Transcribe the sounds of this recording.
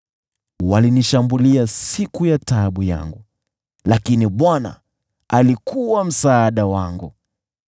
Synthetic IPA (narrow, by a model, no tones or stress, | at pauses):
waliniʃambuliasikujataɓuja̰ŋɡu | lakiniɓwana̰ | alikuwam̩saːɗawaŋɡu